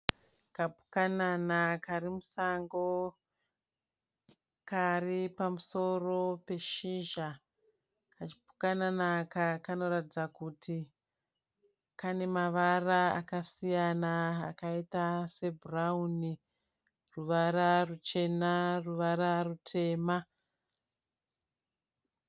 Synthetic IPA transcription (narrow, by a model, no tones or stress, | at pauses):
kapu̥kananakaɾimusaŋɡo̞ | karipamuso̞ro̞pe̞ʃiʒa | kat͡ʃi̥pu̥kananakakano̞ɾatid͡zakutʰi | kane̞maʋaraa̰kasijana̰ːkaitase̞burauni | ruʋaɾarut͡ʃe̞naruʋaɾarutʰe̞ːma